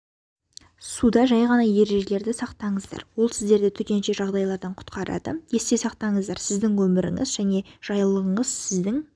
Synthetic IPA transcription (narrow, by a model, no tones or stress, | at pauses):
sud̪ɑʒɑjʁɑnɑje̞ɾe̞ʒe̞le̞ɾd̪ɪsɑqt̪ɑɴəzd̪ɑ̰ɾwo̞lˠsɪzd̪e̞ɾd̪ɪt̪ʰʏk̪ʲe̞nʃe̞ʒɑʁd̪ɑjlˠɑɾd̪ɑɴqʰʊ̥t̪qɑɾɑ̰d̪ə̰je̞st̪e̞sɑqt̪ɑɴəzd̪ɑɾsɪzd̪ɪŋwɵmɪɾɪ̰ŋɪ̰zʒæne̞ʒ̥ɑjlˠəʁəɴəz̥sɪzd̪ɪŋ